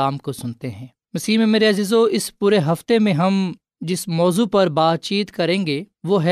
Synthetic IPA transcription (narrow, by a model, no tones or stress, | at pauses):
aːmkosʊnt̪eɦɛ̃ː | mɐsiːmẽmeːɾeɐziːzoɪspuːɾeɦɐft̪emẽɦɐm | d͡ʒɪsmɔːzupɐɾbaːd̪̚t͡ʃiːt̪kɐɾẽːɡeːʋoɦɛ